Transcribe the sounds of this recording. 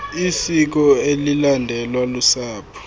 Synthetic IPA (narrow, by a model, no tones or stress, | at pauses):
isik̬ɔelilandʱɛlwalusaːpʰu̥